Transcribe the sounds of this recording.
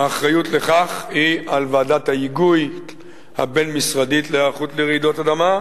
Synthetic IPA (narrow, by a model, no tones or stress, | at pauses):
aːχʁajutle̞χaχhialvaːdathaiɡuj | ha̰be̞nmisʁaditleaχut̪leʁid̪otadama